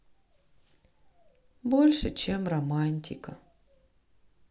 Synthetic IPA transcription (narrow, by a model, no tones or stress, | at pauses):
bo̞lʲʂɨt͡ɕemrɐmanʲtʲɪ̰kə̰